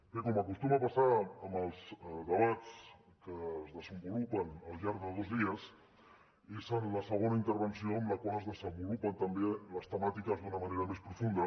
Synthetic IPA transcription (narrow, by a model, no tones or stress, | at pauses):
kekoməkust̪uməβasaəməlˠzðəβ̞at͡s | kəzðəzəmbulupənəlˠʎaɾðəðozðiəs | ezənləsəɣ̞onaint̪əɾβənsioəmləkwaləzðəzəmbulupənt̪əmbeləst̪əmat̪ikəzðunəməneɾəmespɾufund̪ə